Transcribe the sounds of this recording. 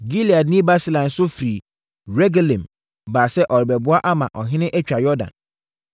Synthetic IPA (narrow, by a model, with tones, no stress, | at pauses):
ɡi˦li˨a˨dnĩ˦ba˦si˦lã˨n˨sʊ˦fɾi˨ | ɾɛ˦ɡa˦lɛ̃˨m | baː˨sɛ˦ʔɔ˨ɾɪ˨bɛ˨bʊ˦a˦ʔa˦mã̰˨ʔɔ˨ɦɪ̃˦nɪ̃˦ʔɛ˦t͡ɕᶣa˨jɔ˦dã̰˨n